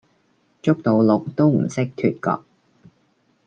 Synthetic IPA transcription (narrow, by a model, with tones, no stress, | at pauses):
t͡ʃʊ˥k̚t̪o˨˧wlʊ˨k̚t̪o˥wm̩˨˩sɪ˥k̚k̪ʰy̰ː˧t̚kɔ̰ː˧k̚